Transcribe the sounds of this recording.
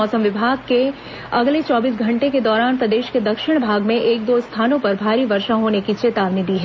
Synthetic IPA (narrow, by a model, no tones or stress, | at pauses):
ɔːsəmʋɪbʱaːɡ̚ke | ɐɡlet͡ʃɔːbiːs̬ɡʱɐ̃ɳʈeked̪ɔːɾaːnpɾɐd̪eːʃked̪ɐkʃɪɽ̃bʱaːɡmẽʔeːk̚d̪ost̪ʰaːnõpɐɾbʱaːɾiʋɐɾʃaɦoːnekit͡ʃeːt̪aːʋnid̪iːɦɛː